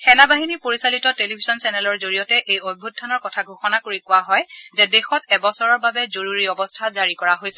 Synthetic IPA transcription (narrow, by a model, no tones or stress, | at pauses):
xɛnabaɦinipoɹisalitɔtelibʱizɔnsɛnɛlɔɹzoɹijɔtɛʔejobʱut̚dːanɔɹkɔtʰaɡʱoxɔnakoɹikʊwaɦɔjzɛdexɔtɛbɔsɔɹɔɹbabɛzoɹuɹiɔbɔstʰazaɹikɔɹaɦojsɛ̥